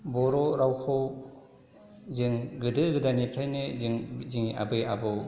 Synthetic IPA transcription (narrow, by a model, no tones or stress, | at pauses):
bɔɾɔɾawkʰɯw | zɯŋɡɯdɯɡɯdanipʰɾajnezŋziŋʔa̰bɯjabɯ